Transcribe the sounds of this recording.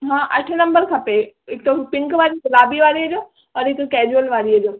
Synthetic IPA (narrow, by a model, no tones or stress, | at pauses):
ɦãːʔɐ̰ʈʰnɐ̃mbəɾkʰɐpe | ek̚t̪oɦupɪŋkʋaːɾikɐlaːbiʋaːɾid͡ʒo | ɔːɾek̚t̪okɛːd͡ʒuəlʋaːɾiəd͡ʒo